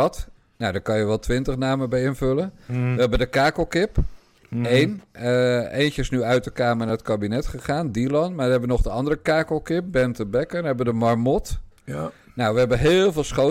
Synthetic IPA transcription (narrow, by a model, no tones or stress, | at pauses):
ɑt | nawdaɹkɑnjəʋɛlˠtʋɪntəχnaːməbɛjɪnvɵlənʋəɦɛbəndəkaːkəlˠkɪp | ejnəejncəɪsnyœɥt̚əkaːməɹnaːrətkabinɛtχəχaːndilɑnmaʋəɦɛbʋənɔχdəɑndərəkaːkəlˠkɪp̚bɛntəbɛkənɦɛbədəmɑrmɔt | nawʋəɦɛbəɦɪːlˠvɪːlˠsχo